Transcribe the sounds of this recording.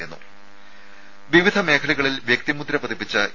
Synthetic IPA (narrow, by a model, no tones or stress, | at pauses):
junːṵ | ʋiʋid̪ʱɐme̞ːkʰɐlɐɣɐɭilʋjek̚t̪imud̪ɾɐpɐd̪ipːit͡ɕːɐʔ